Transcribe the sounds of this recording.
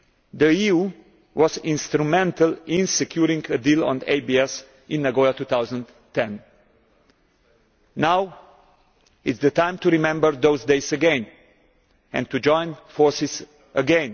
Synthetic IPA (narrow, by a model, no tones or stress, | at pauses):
d̪əiu | wɔzɪ̃nst̪ɾumɛ̃ntəlɪ̃nsɛkʰjuɾĩŋɡədilɔ̰̃nḛɪbiɛs | ɪ̃nːaɡoat̪ut̪awzə̃n | t̪ʰːɛ̃n | aw | ɪtsd̪ət̪ãɪ̃mt̪uɾimɛ̃mbəɹd̪oʊzdeɪzəɡẽn | ɛ̰̃nt̪ud͡ʒɔ̃ɪ̃nfɔɹsɪz | ʔəɡɛ̃n